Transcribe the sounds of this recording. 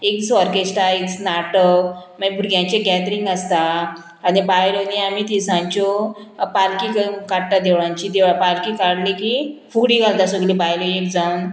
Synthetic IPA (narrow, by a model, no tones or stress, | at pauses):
eksɔɾkesʈaeksnaʈəmabʱuɾɡjãɲt͡ɕaɡɛt̪ɾĩŋɡəst̪aː | nibajɾoniamit̪isãɲt͡ɕɔpalkikəkaɽʈ̪ad̪ewɭãɲt͡ɕid̪eʋapalkikaɽlekifuɽiɡʱald̪asəɡlibajloek̚d͡zauːn